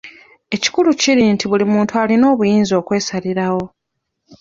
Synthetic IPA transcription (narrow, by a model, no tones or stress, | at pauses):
e̞ci̥kuluciɾintiβulimuːntualino̞ːβujiːnzo̞ːkwe̞ːsaliɾawo̞